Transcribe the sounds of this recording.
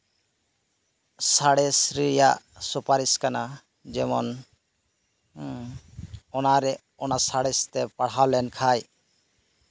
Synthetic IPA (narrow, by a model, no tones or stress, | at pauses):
saɽɛsɾijaʔsupaɾiskana | d͡ʒɛmɔ̰n | ɔnaɾɛ | ɔnasaɽist̪ɛpaɽ̤awlɛnkʰaj